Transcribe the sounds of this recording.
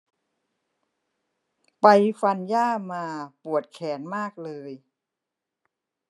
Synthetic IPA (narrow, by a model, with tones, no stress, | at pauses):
pa˧jfa˧njaː˥˩maː˧pu˨˩ət̪̚kʰɛː˩˦nmaː˥˩k̚lɤː˧j